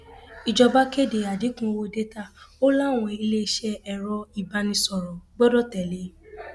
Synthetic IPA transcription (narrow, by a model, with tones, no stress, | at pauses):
i˨d͡ʒɔ˧ba˦ke˦˨de˨a˨di˨˦kũ˦˧wo˧de˦ta˦˨o˦la˦˨w̃ɔ̃˧i˧le˦˧˦ʃɛ˦ɛ˨ɾɔ˧i˨ba˧nĩ˧sɔ˨ɾɔ˨ɡ͡bɔ˦dɔ˦tɛ˨le˨˦